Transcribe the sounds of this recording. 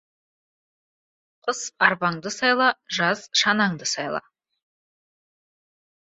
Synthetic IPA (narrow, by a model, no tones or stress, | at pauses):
qʰʊsɑɾbɑɴd̪əsɑjlˠɑʒɑz̥ʃɑnɑɴd̪əsɑjlˠɑ̰